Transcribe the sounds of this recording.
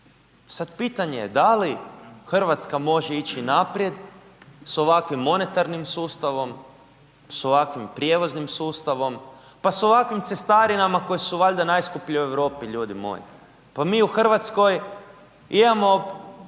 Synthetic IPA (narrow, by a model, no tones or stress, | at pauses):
sad̪pit̪aɲeed̪alixrʋat̪skamo̞ʒeit͡ɕinapɾje̞d̪ | so̞ʋakʋimːo̞ne̞t̪aɾnimsuːst̪aʋo̞m | so̞ʋakʋimpɾje̞ʋo̞znimsuːst̪aʋo̞m | paso̞ʋakʋimt̪se̞st̪aɾinamako̞jisuʋaʎd̪anajskupʎiueʋɾo̞ːpiʎuːd̪imo̰jḭ | pamiːuxr̩ʋat̪sko̞j | imamo